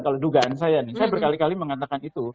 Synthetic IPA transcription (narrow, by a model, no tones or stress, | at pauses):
kaloduɡaʔansajanisajabərkalikaliməŋat̪akanit̪u